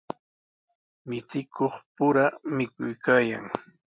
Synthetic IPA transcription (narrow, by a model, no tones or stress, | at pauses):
mɪt͡sɪkoχpʊɾamɪkʊjkaːjaŋ